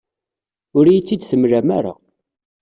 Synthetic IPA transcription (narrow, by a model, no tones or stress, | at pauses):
ʊɾjit͡sːid̪θəmɾæmaɾa̰